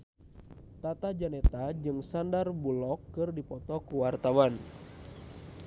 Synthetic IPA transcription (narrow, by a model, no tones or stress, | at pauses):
t̪at̪ad͡ʒanɛt̪ad͡ʒɨŋsandarbulɔkːɨrdipɔt̪ɔkuwart̪awan